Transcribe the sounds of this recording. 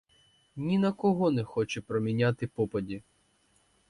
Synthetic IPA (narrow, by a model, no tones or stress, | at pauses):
nʲinɐkɔɦɔnɛxɔt͡ʃɛpɾɔmʲinʲat̪ɪpɔpɐdʲi